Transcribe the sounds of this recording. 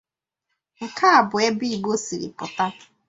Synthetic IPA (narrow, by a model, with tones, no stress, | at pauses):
ŋ̩˨kʰa˦a˨bʊ˨e˦bi˦i˦˨ɡ͡bo˦sḭ˨ɾɪ̰˨pʊ˨ta˦